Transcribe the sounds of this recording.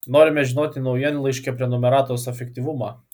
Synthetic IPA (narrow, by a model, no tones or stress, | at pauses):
noːɾʲɪmʲɛʒʲɪnoːt̪ʲɪnɐʊjɛnlˠɐɪʃʲkʲɛpʲɾʲiɛnɔmʲɛɾɑːt̪oʊsɛfʲɛkʲt̪ʲiʋʊmɑː